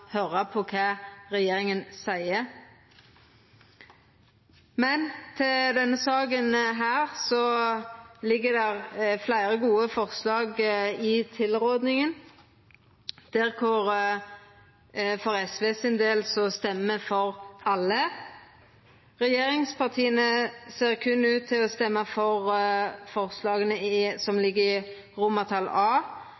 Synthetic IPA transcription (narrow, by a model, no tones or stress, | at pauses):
høʁɑpʰɔkʰɑːʁɛjeːʁɪŋənsæɪə | mɛnt̪ʰɪld̪ɛnːəsɑːɡənɦæːʁsɔ | lɪɡːəd̪ɛʁflæɪʁəɡuːəfɔʁslɑːɡɪt̪ʰɪlʁoːd̪nɪŋən | d̪̥ɛʁkʰʊʁ | fɔʁɛsʋeːsɪnd̪eːlsɔst̪ɛməfɔʁɑlːə | ʁɛjeːɾɪŋspʰɑʁt̪ʰiːənəseːʁkʰʉnːʉːt̪ʰːɪlɔst̪ɛmːəfɔʁfɔʁslɑːɡənəɪsɔmlɪɡːəɪ | ʁʊmət̪ʰɑlɑː